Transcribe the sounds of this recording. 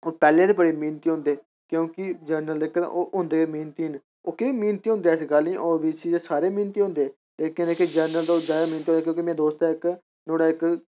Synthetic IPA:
oːpɛːlẽːd̪eːpəɽeːmĩːnt̪iːɦõːnd̪eː | kjõːkɪd͡ʒəɾnəld̪eːkt̪a̰ʔoːʔʊ̃ːnd̪eːemiːnt̪iːən | oːkemĩːnt̪iːɦʊ̃nd̪eːsɡəlnĩʔoːbiːsiːd̪eːsaːɾeːmiːnt̪iːɦʊ̃ːnd̪eː | leːkəneked͡ʒəːɾnəld̪ozjaːd̪aːmĩːnt̪iːõneːkjõːkimɛ̃ːd̪oːst̪aːɪk | noːɽaːɪk

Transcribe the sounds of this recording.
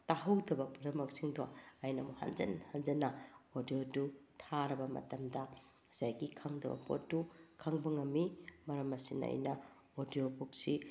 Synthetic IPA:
taɦɐwdɐbɐpuɾɐmɐk̚siŋdoajnɐmuha̰nzɐ̰nhanzɐnːɐodijodutʰaɾɐbɐmɐ̰tɐmdɐ | sajɡikʰɐŋdɐbɐ̰po̰t̚dukʰɐŋbɐŋɐmːimɐɾɐmɐsinɐ̰a̰jnɐ | odijobuk̚si

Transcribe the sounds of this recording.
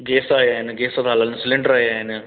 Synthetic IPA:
ɡeːsajaenɡeːsat̪alansɪlɪɳɖəɾajan

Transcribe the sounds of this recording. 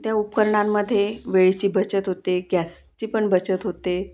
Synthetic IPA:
t̪jaupkəɾɳamːəd̪ʱːjeʋeɭit͡ɕiːbət͡ɕət̪ɦot̪eɡjæst͡ɕiːpəɳbət͡ɕət̪ɦot̪e

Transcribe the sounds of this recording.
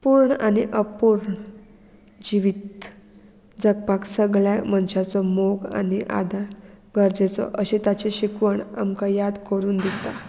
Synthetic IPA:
puɾɳaniʔəpuɾɳ | d͡ʑiʋit̪ | d͡zəɡ̚paksəɡɭjamənɕat͡sɔmoɡa̰niʔa̰d̪a | ɡʱəɾd͡zet͡sɔ̰ʔəɕẽt̪at͡seɕikʋəɳa̰mkajad̪kəɾuːnd̪it̪a

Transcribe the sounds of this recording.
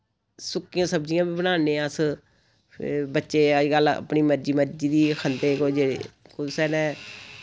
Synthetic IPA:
sʊkːɪjãːsəbd͡ʒɪjãːbiːbənaːnẽːãs | pʰɾbətːʃeːəd͡ʒɡələ̰pɳiːməɾd͡ʒiːməɾd͡ʒiːd̪iːkʰənd̪eːkod͡ʒekʊsɛːnɛ̃ː

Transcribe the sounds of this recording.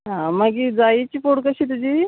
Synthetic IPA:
ɦãməɡid͡zait͡ɕiːfoɽkəɕiːt̪̬ud͡ʑiː

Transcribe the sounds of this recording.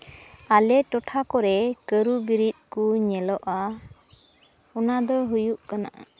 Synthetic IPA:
alɛʈɔʈʰakɔɾɛkəɾubiɾit̪̚kuɲɛlɔʔa | ɔnad̪ɔɦujuʔkana̰ʔa̰

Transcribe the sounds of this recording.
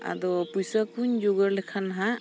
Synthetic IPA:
a̰d̪ɔpujsakuɲd͡ʒoɡəɾlɛkʰanaɦa

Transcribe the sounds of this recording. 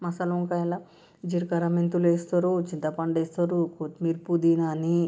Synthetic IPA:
mɐsɐluŋkala | d͡ʒiɾkɐɾɐment̪uleːst̪oɾot͡ʃint̪ɐpɐɳɖeːst̪oɾukot̪miɾpud̪inani

